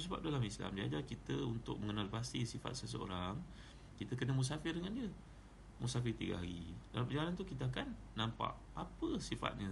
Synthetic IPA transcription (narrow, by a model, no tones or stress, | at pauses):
səba̰p̚dalamisla̰mdia̰d͡ʒakit̪əunt̪ʊ̰k̚məŋənalbast̪isifa̰t̪̚səs̬əo̰ɾaŋ | kit̪əkənəmus̬afɪrdəŋandiə | musafɪrt̪iɡa̰ɦaɾḭdalampərd͡ʒaanant̪ukit̪̬əakanːampa̰ʔ | apəsifa̰t̪̚ɲə